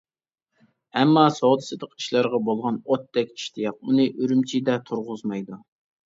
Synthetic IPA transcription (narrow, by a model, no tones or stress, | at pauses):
ɛmːɑsoʁd̪ɨsɨd̪əqi̥ʃlˠɑɾʁɑbolˠʁɑnot̪ːɛkʲi̥ʃt̪ʰijɑp̚unɨʔøɾymt͡ʃʰid̪ɛt̪ʰuɾʁʊzmɑjd̪u